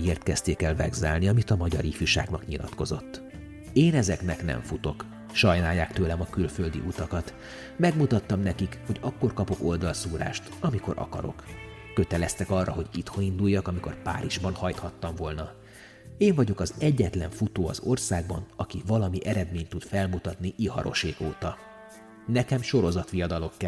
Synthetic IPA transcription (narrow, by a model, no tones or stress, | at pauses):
eːrt̪kɛst̪eːkɛlvɛ̰ɡzɛlniɒmit̪ɒmɒɟɒɾifjuʃa̰ːɡnɒkɲilɒt̪ko̞zo̞t̪ː | eːnɛzɛknɛknɛ̰ɱfut̪o̞k | ʃɒjnaːjːaːkt̪øːlɛmɒkylføld̪ḭʔut̪ɒkɒt̪ | mɛɡmut̪ɒt̪ːɒmnɛkikho̞ɟɒkːo̞rkɒpo̞ko̞ld̪ɒlsuːɾa̰ːʃt̪ɒmiko̞̰ɾʔɒ̰kɒ̰ɾo̞̰kː | ø̞t̪ɛlɛst̪ɛkɒrːɒɦo̞ɟit̪hoind̪ujːɒkɒmiko̞̰rpa̰ːɾʔiʒbɒnhɒjt̪hɒt̪ːɒɱvo̞lnɒ | eːɱvɒɟo̞kɒzɛɟːɛt̪lɛ̰ɱfut̪oːɒ̰zo̞rsaːɡ̚bɒ̰nɒkivɒlɒmiʔɛɾɛd̪meːɲt̪ut̪fɛlmut̪ɒt̪niʔihɒ̰ɾʔo̞̰ʃeːko̰ːt̪ɒ | nɛkɛmʃo̞ɾo̞zɒt̪ʋijɒd̪ɒlo̞kːɛ